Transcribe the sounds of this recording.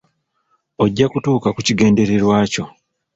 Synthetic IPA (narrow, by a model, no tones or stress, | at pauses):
o̞ɟːakutuːkakuciɡe̞ːnde̞ɾe̞ɾwaːco̞